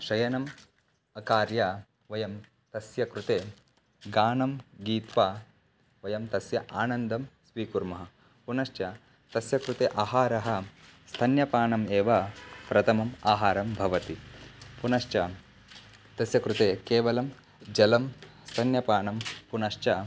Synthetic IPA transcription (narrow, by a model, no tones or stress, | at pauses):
ʃɐjɐnɐm | ɐkaːɾja | ʋɐjɐm | t̪ɐsjɐkɾut̪eː | ɡaːnɐmɡiːt̪ʋaː | ʋɐjɐmt̪ɐsjɐʔaːnɐnd̪ʱɐmsʋiːkuɾmɐɦɐ | punɐʃt͡ʃjɐ | t̪ɐsjɐkɾut̪eːʔaːɦaːɾɐɦɐ̆st̪ʰɐnjɐpaːɳɐmeːʋɐpɾɐt̪ʰɐmɐmaːɦaːɾɐmbʱɐʋɐt̪ipunɐʃt͡ʃɐ | t̪ɐsjɐkɾut̪eːkeːʋɐlɐm | d͡ʒɐlɐmst̪ʰɐnjɐpaːnɐmpunɐʂt͡ʃɐ